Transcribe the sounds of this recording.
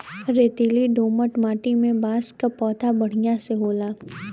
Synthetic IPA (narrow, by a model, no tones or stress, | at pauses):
ɾeːt̪iliɖoːməʈmaːʈimẽbaːskapɔːt̪ʰabɐɽ̤ijãseɦoːlaː